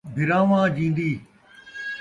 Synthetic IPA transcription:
bʱɪɾãːʋãːd͡ʑĩːnd̪iː

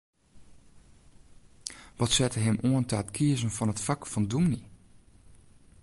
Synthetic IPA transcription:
ʋɔtsɛtəɦɪmʔoəntəatkʰiəzənfɔnətfakfɔndumni

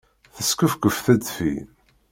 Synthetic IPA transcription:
θəskəfkəfθæd̪fḭ

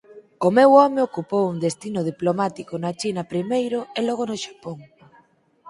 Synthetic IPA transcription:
omewɔmeokupowuŋd̪est̪inʊð̞iplomat̪ikonat͡ʃinɐpɾimejɾʊelɔɣ̞onoʃḁpoŋ

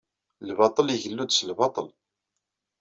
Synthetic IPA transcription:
lbɑt̪ˤələʝəlːud̪səlbɑt̪ˤəl

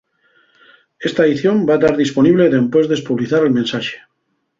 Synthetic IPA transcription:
e̞st̪aeðiθjombat̪aɾðispo̞niβle̞ðe̞mpwe̞zðespuβliθaɾelmẽnsaʃe̥

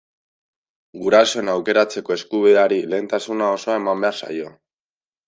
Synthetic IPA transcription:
ɡuɾaso̞enawke̞ɾat͡se̞ko̞e̞skuβiðeaɾile̞ːnt̪asunao̞so̞ae̞mambe̞aɾsa̰jo̞

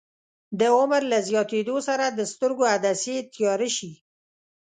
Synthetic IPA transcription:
d̪əʊmaɾlazjɑt̪ed̪osaɾad̪əst̪əɾɡoad̪aset̪jɑɾəʃi

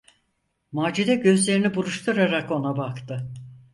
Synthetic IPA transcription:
maːd͡ʒid̪ɛɟø̞zlʲe̞ɾinibuɾuʃt̪ʰuɾaɾako̞nabakt̪ʰɯ

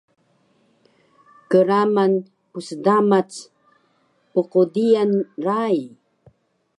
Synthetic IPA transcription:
kəɾaman | pusdamat͡s | puqudianraj

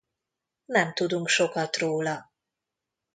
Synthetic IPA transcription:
nɛmt̪ud̪uŋkʃo̞kɒt̪roːlɒ

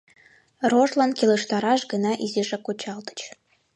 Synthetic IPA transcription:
roʒlɑnkeləʃt̪ɑɾɑʃɡənɑʔiziʒekut͡ɕɑld̪ə̥t͡ɕ

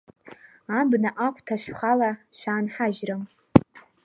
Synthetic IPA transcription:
ambnaʔakʷʰtʰaʃʷᶣχalaʃʷᶣaːnħaʒrɨm

